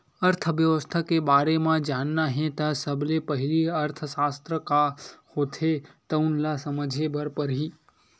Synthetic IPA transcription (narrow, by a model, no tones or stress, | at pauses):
əɾt̪ʰəʋjəʋəst̪ʰakebaɾemãd͡ʒanːaɦẽt̪asəblepəɦiliəɾt̪ʰəsast̪ɾəkahot̪ʰet̪əunlasəməd͡ʒʱebəɾpəɾɦi